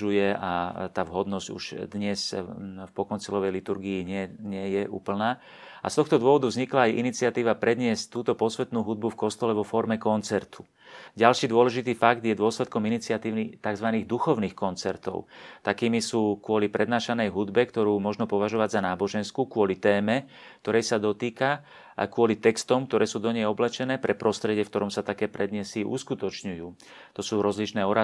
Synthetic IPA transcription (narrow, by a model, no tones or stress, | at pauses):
ujɛat̪aːvɦɔd̪nɔzɟṵʃd̪ɲɛsfpɔkɔnt͡silɔʋɛjlit̪uɾɡiːɲɪɛɲɪɛjɛʔṵːpl̩naː | ʔa̰st̪ɔxt̪ɔd̪ʊɔʋɔd̪uvzɲiklaːjʔḭnit͡siɪat̪iːʋapɾɛd̪ɲɪɛsct̪uːt̪ɔpɔsʋɛt̪nuːɦud̪̚bufkɔst̪ɔlɛʋɔfɔɾmɛkɔnt͡sɛɾt̪ʰu̥ | ɟalʃiːd̪ʊɔlɛʒit̪iːfaɡd̪jɛd̪ʊɔslɛt̪̚kɔminit͡siat̪iːʊnit̪aɡzʋaniːɣd̪uxɔʊniːxkɔnt͡sɛɾt̪ɔ̰ʊt̪akiːmisuːkʊɔlipɾɛd̪naːʃanɛjɦud̪bɛkt̪ɔɾuːmɔʒnɔpɔʋaʒɔʋaɟzanaːbɔʒɛnskukʋʊɔlit̪ɛːmɛ | k̚t̪ɔɾɛjsad̪ɔt̪iːka | kʊɔlit̪ɛkst̪ɔmk̚t̪ɔɾɛːsuːd̪ɔɲɛjɔblɛt͡ʃɛnɛːpɾɛpɾɔst̪ɾɛɟɪɛfkt̪ɔɾɔmsat̪akɛːpɾɛd̪ɲɛsiʔṵskut̪ɔt͡ʃɲujuː | t̪ɔsuːɾɔzlit͡ʃnɛːɔɾa